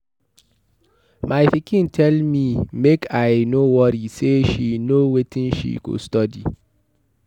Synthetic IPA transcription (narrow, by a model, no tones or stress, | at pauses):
majfikʰĩntʰɛlmimekʰaɪnowɔɾiseʃinowetʰĩnʃḭkṵstɔdḭ